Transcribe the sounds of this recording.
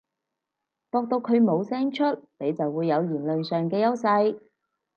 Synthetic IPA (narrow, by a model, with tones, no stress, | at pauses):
t̪ɔː˧k̚t̪o˧wkʰɵ˨˧ɥmo˨˧wsɛː˥ŋt͡ʃʰɵ˥t̚ne˨˧jt͡sɐ˨wwuː˨˧jːɐ˨˧wliː˨˩nlɵ˨nsœː˨ŋkɛː˧jɐ˥wsɐ˧j